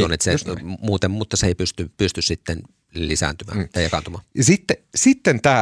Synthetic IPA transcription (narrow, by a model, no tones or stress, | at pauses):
onːet̪semuːt̪emmut̪ːɑseˑipyst̪ypyst̪yssit̪ːen | lisæ̰nt̪ymæ̰ːt̪ɑijɑkɑnt̪umɑːjɑsit̪ːesit̪ːent̪æː